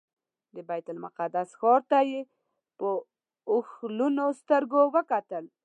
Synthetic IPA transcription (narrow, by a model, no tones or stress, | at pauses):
d̪əbajt̪ʊlmʊqad̪asxɔɾt̪aje | pə | ʊxlunost̪əɾɡowəkat̪əl